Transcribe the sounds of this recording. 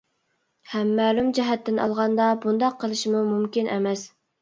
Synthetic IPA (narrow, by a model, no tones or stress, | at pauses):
hɛmːæːlumd͡ʒɛɦɛt̪ːɪnʔɑ̰lˠʁɑnd̪ɑbund̪ɑqʰːəlˠɨʃmumumkʲinʔɛ̰mɛs